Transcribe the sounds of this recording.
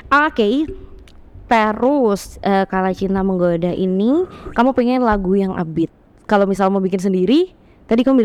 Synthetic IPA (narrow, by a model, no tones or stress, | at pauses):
ake | t̪əɾʊsəːkalat͡ʃinaməŋɡodaʔinikamupɛŋɛnlaɡujaŋʔa̰bɪt̪̚ | kalomisalmabikɪns̬əndiɾi | t̪adikamubil